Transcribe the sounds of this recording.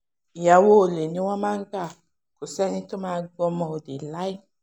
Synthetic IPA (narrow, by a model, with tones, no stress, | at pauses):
ja˨wo˦˨le˨nĩ˦wã˦mã˦ŋ̩˦ɡa˦˨ | ko˨sɛ˦nĩ˦to˦mãː˦ɡ͡bɔ˧mɔ̃˨o˨de˨la˦i˦